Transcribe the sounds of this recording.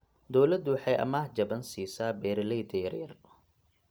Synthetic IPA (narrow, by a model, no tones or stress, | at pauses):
d̪ɔwlɐd̪wɑħɑjʔɐ̰maːhd͡ʒɐbɐnsiːsaːbɛːɾɪlɛjd̪ʰɐjɐrjɐ̰r